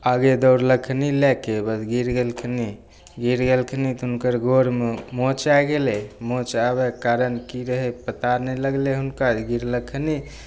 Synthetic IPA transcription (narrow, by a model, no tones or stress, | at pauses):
aɡed̪owɾləkʰnilekebəd͡ʒɡiɾɡelkʰni | ɡiɾɡelkʰnit̪ɦunkəɾɡʱoɾmemot͡ʃaɡelemõt͡ʃabɛkːaɾənkiɾəɦɛpət̪aɾnɛləɡleɦunkad͡ʒɡiɾləkʰni